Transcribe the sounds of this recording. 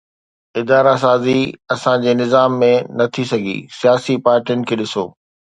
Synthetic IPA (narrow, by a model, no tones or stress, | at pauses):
ɪd̪aːɾas̬aːziɐsãd͡ʑeːnɪzaːmːẽnɐt̪ʰisɐɡʱḭsijaːsipaːɾʈijʊnɪ̆kʰeːɗɪso̰ː